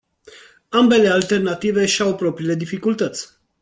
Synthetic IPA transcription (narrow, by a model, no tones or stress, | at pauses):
ambe̞le̞alt̪e̞rnat̪ive̞ʃawpɾo̞pɾiːle̞d̪ifikult̪ət̪sʲ